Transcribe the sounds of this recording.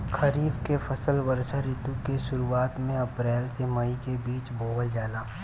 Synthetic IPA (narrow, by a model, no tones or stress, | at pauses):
xʰɐɾiːbkefɐsəlʋɐɾʃaɾɪt̪ũkeʃʊɾuaːt̪mẽɐpɾɛːlsemɐikebiːt͡ʃbʱoːɡəld͡ʒaːnaː